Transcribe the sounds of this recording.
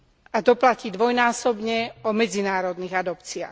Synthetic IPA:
at̪ɔplaciːd̪ʋɔjnaːsɔbɲɛɔmɛd͡zinaːɾɔd̪niːɣad̪ɔpt͡sia̰x

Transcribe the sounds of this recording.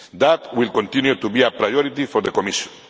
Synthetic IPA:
d̪at̪wilkõnt̪ĩnjut̪ubiapɾajɔɾit̪ifoɾðekomiʃjɔ̃n

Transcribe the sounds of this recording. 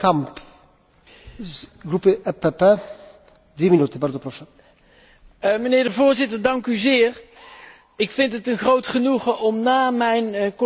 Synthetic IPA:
kamp | ɡɾupəɛpepe | d̪wiminut̪ubaɾzopɾɔʃa | mənɪːɹdəvʊːɹzɪtəɹdɑŋkyzɪːr | ɪkfɪntətənχrowtχənuχəʔɔmnaːmɛjnk

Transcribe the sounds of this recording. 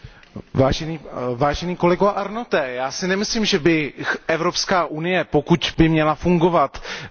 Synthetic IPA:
vaːʒɛniːvaːʒɛniːko̞lɛɡoaʔaɾnot̪ɛːjaːsɪnɛmɪslimʒɛbɪʔɛvɾo̞pskaːʔunɪjɛpokucbɪmɲɛlafuŋɡo̞vat̪

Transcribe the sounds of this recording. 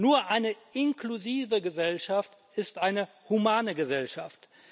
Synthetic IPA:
nuːɐʔaɪnəʔɪnkluziːvəɡəzɛlʃaft | ɪstʔaɪnə | humaːnəɡəzɛlʃaft

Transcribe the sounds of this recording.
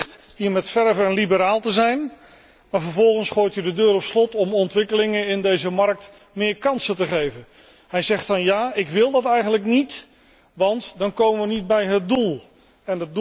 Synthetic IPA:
tɦiːɹmɛtfɛɹvəɛnlibəɾaːlˠtəzɛjn | maːɹvəɹvɔlˠχənsχoːjtjədədøːɾɔpslɔtɔmɔntʋɪkəlɪŋəɪndejzəmɑɹk̚t | mɪːɹkɑnsətəχejvən | hɛjzɛχtɑnjaːɪkʋɪlˠdɑtɛjχənləknit | ʋɑntdɑnkowməʋənid̚bɛjɦət̚dulˠ | ɛnəd

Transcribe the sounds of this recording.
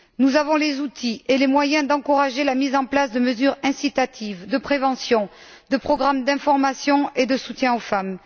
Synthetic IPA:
nuzavɔ̃lezut̪ʰielemwajɛ̃d̪ɑ̃kuʁaʒelamizɑ̃plasd̪əməzyʁɛ̃sit̪at̪ʰivd̪əpχevɑ̃sjɔ̃ | d̪əpχɔɡʁamd̪ɛ̃fɔʁmasjɔ̃ed̪əsut̪jɛ̃ofam

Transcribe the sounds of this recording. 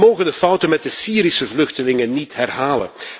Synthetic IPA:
moːwɣəndəfɑwtənmɛt̚dəsiːɾisəvlɵxtəlɪŋənːitɦɛrɦaːlə̰n

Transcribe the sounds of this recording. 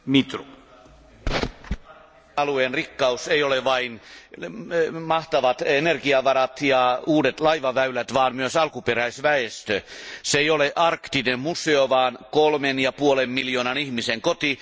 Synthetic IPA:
mit̪ro | ɑlueːnrikːɑusejoleʋɑin | mɑht̪ɑʋɑt̪enerɡiɑʋɑɾɑt̪jɑuːdet̪lɑiʋɑʋæylæt̪ʋɑːnmmyøsɑlkupeɾæisʋæest̪øseeioleʔɑrkt̪iːdemmuseoʋɑːnkolmenjɑpuolemmiljoːnɑnihmiseŋkot̪i

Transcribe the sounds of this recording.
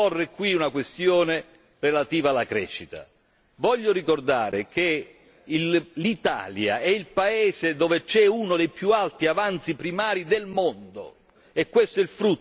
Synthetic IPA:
orːekwiunakwest̪joːne | relat̪iːvalːakɾɛ̰ːʃːit̪a̰ | vɔʎːoɾikord̪aːɾeke | ilit̪a̰ːlja̰ɛilpaeːsed̪oːvet͡ʃɛunod̪ejpjualt̪iavant̪sipɾimaːɾid̪elmond̪o̰ | ɛkːwest̪oɛilfɾut̪ː

